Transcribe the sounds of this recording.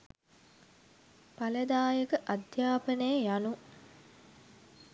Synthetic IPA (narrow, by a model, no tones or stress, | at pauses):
paləd̪aːjəkəʔad̪ʱjaːpənəjəjanu